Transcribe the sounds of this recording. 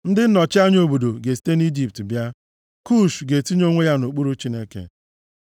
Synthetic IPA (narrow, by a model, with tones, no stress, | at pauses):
n̩˦dɪ˦n̩˦nɔ˨t͡ʃɪ˦a˦ɲ˦o˨bo˨do˨ɡe˨si̥˨˦te˦ni˦d͡ʒi˨p̚tbja˦ | ku˦ʃɡe˨ti˦ɲ˦o˦ŋʷe˦ja˦no˨k͡pu˦ɾu˦t͡ʃi˦ne˦kḛ˨